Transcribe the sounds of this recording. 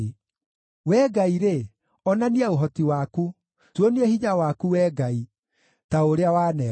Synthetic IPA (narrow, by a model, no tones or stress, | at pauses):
wɛːɡaiɾe | ɔnaniaoɦɔtiwaːku | twoniehiɲawaːkuwɛːɡai | taoɾeawaːnɛ